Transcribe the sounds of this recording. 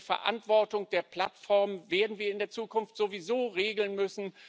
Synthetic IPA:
fɛ̰ɐʔa̰ntv̥ɔɐtʊŋd̥eːɐpʰl̥atfɔɐmveːɐdn̩viːɐɪndeːɐt͡suːkʊnftz̥ovizoːʁeːɡl̩nmʏsn̩

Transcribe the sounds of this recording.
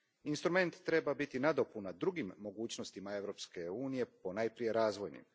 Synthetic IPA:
inst̪ɾume̞nt̪ːɾe̞babit̪inad̪opunad̪ɾuɡimːo̞ɡuːt͡ɕno̞st̪imae̞ʋɾo̞pske̞uːnije̞po̞najpɾije̞ɾaːzʋo̞jnḭm

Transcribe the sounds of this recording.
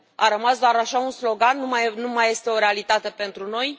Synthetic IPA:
aɾəmasd̪oaɾaʃaunslo̞ɡanːumajːumaje̞st̪e̞o̞ɾealit̪at̪e̞pe̞nt̪ɾuno̞j

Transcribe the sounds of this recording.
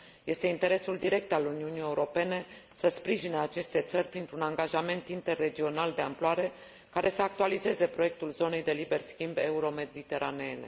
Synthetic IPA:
je̞st̪eint̪e̞ɾe̞suld̪iɾe̞k̚t̪aluniunije̞uɾo̞pe̞ne̞səspɾiʒinəat͡ʃe̞st̪e̞t̪sərʲpɾint̪ɾunaŋɡaʒame̞nt̪int̪e̞rːe̞d͡ʒio̞nald̪e̞amploaɾe̞ | kaɾʔe̞səak̚t̪ualize̞ze̞pɾojek̚t̪ulzo̞ne̞jd̪e̞libe̞rskʲimbeuɾo̞me̞d̪it̪e̞ɾʔanene

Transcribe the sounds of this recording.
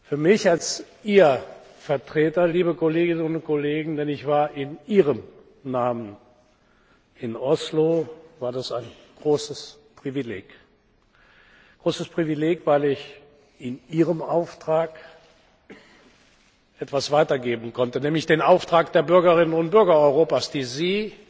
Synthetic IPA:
fyːɐmɪçalsʔiːɐ | fɛɐtʁ̥eːtɐliːbəkoleːɡɪnənʊnkʰoleːɡŋ̩dɛnɪçv̥aːɐʔɪnʔiːʁəm | naːmən | ɪnʔɔslovaːɐdasaɪn | ɡ̥ʁoːsəs | pʁ̥ivileːk | ɡ̥ʁoːsəspʁ̥ivileːkv̥aɪlɪç | ɪnʔiːʁəmʔaʊftʁ̥aːk | ʔɛtv̥asv̥aɪtɐɡeːbn̩kʰɔntənɛːmlɪçd̥eːnaʊftʁ̥aːkd̥eːɐbʏɐɡɐʁɪnənʊntb̥ʏɐɡɐɔʏʁoːpaːsd̥iːziː

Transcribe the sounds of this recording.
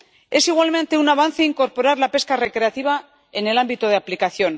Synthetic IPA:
e̞siɣwalmẽ̞nt̪e̞unaβ̞anθe̞iŋko̞ɾpo̞ɾaɾlape̞skare̞kɾe̞at̪iβ̞a | ene̞lambit̪oð̞eaplikaθjo̞n

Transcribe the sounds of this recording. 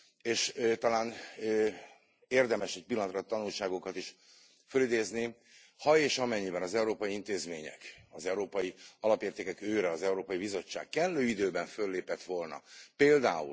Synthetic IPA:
eːʃt̪ɒlaːn | eːrd̪ɛmɛʃɛc̚pilːɒnt̪rɒt̪ːɒnulʃaːɡokɒt̪iʃ | følid̪eːzni | hɒeːʃɒmɛɲːibɛnɒzɛuɾoːpɒjiint̪eːzmḛːɲɛ̰kɒzɛuɾoːpɒjiɒlɒpeːrt̪eːkɛkøːɾɛɒzɛuɾoːpɒjibizo̞t͡ʃːa̰ːkkɛlːøːid̪øːbɛɱfø̞lːeːpɛt̪ʋo̞lnɒ̰peːld̪a̰ːṵl

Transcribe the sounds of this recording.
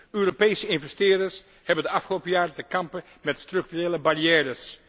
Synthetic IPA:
øːropejsəɪnvɛstɪːrdəɹs | hɛbəndəɑfχəlowpəjaːrətəkɑmpə | mɛtstrɵk̚tyreːləbariɛːɾəs

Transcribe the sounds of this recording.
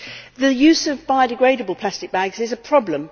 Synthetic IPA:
ðəjʉːzəvbaɪdɪɡɹeɪɾəbəlˠpʰl̥astɪk̚b̥aɡzɪzəpʰɹ̥ɒblə̃m

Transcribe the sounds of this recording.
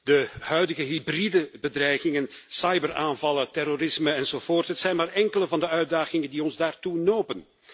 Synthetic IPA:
dəɦœɥdəɣəɦibridəbədrɛjɣɪŋənsɑjbəraːnvɑlətɛrorɪsməɛnz̥oːv̥oːrtɦətsɛjnmaːrɛŋkələvɑndəœɥdaːɣɪŋəndiɔnzdaːrtunoːpən

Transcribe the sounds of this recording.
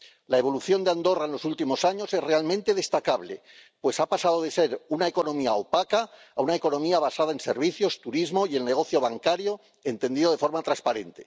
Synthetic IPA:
lae̞β̞o̞luθjo̞nd̪and̪o̞raenlo̞sult̪imo̞saɲo̞se̞zre̞almẽnt̪e̞ð̞e̞st̪akaβ̞le̞̰ | pwe̞sapasað̞oð̞e̞se̞ɾunaeko̞nõ̞miaopakaː | unaeko̞nõ̞miaβ̞asað̞ae̞nse̞ɾβiθjo̞st̪uɾizmo̞jie̞lne̞ɣ̞o̞θjo̞β̞aŋkaɾjo̞ | e̞nt̪e̞nd̪iðoe̞fo̞ɾmat̪ɾaspaɾe̞nt̪e̞

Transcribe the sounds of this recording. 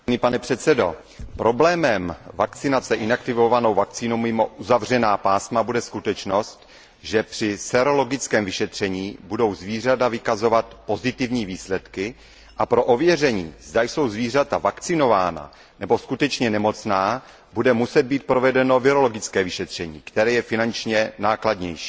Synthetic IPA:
nipanɛpr̥ɛt̪sɛdo̞ | pɾo̞blɛːmɛmvakt͡sɪnat͡sɛʔɪnakt̪ɪvo̞vano̞wvakt͡siːnowmɪmo̞ʔuzavr̝ɛnaːpaːsmabudɛskut̪ɛt͡ʃno̞st̪ | ʒɛpr̥ɪsɛɾo̞lo̞ɡɪt͡skɛːmvɪʃɛt̪r̝̥ɛɲiːbudo̞wzviːr̝adavɪkazo̞vat̪po̞zɪt̪ɪvɲiːviːslɛt̪kɪ | ʔapɾo̞ʔovjɛr̝ɛɲiːzdajso̞wzviːr̝at̪avakt͡sɪno̞vaːna̰ | nɛbo̞skut̪ɛt͡ʃɲɛnɛmo̞t͡snaː | budɛmusɛd̪̚biːt̪̚pɾo̞vɛdɛno̞vɪɾo̞lo̞ɡɪt͡skɛːvɪʃɛt̪r̝̥ɛɲḭːkt̪ɛɾɛːjɛfɪnant͡ʃɲɛnaːkladɲɛ̰jʃi̥ː

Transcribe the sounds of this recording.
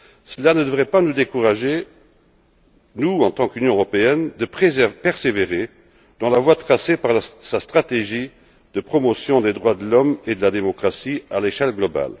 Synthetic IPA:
səlanəd̪əvʁɛpanud̪ekuʁaʒe | nuɑ̃t̪ɑ̃kynjɔ̃əʁɔpeɛnd̪əpepɛʁseveʁe | d̪̥ɑ̃lavwat̪χasepaʁlsast̪χat̪eʒi | d̪̥əpχɔmɔsjɔ̃d̪ed̪ʁwad̪əlɔmed̪əlad̪emɔkχasialeʃɛlɡlɔba̰l

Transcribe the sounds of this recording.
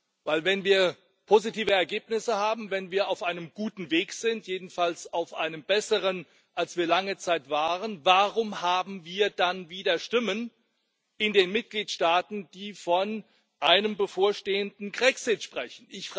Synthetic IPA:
vaɪlvɛnviːɐ | pʰozitʰiːvəɛɐɡeːpnɪsəhaːbm̩vɛnviːɐaʊfʔaɪnəmɡ̥uːtn̩veːkz̥ɪntjeːdn̩falsaʊfʔa̰ɪnəmbɛsəʁən | ʔalsv̥iːɐlaŋət͡saɪtv̥aːʁənvaʁʊmhaːbm̩viːɐdanviːdɐʃtɪmən | ʔɪndeːnmɪt̚ɡ̥liːtʃtaːtn̩d̥iːfɔn | ʔaɪnəmbəfoːɐʃteːəndn̩ɡʁɛksɪtʃpʁ̥ɛçn̩ʔɪçf

